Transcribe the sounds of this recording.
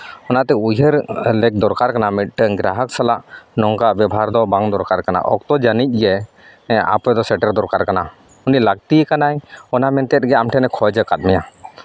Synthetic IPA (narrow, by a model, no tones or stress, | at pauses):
ɔnaʔt̪ɛujɦəɾlɛk̚d̪ɔɾkaɾkanamit̚ʈəɡɾaɦək̚salaʔnɔŋkabɛbʱaɾd̪ɔbaŋd̪ɔɾkaɾkana̰ʔɔk̚t̪ɔd͡ʒanic̚ˀɡɛ | a̰pɛd̪ɔsɛʈəɾd̪ɔɾkaɾkana | unilaɡ̚t̪ikanajɔnamɛnt̪ɛt̪̚ɡɛamʈʰɛnɛkʰɔjd͡ʒəkat̪̚mɛja